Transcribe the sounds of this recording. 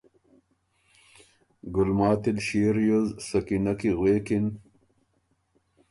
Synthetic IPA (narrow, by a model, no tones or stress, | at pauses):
ɡʊlmaːt̪ilɕiːɾjuzsɐkinɐkiɣweːkin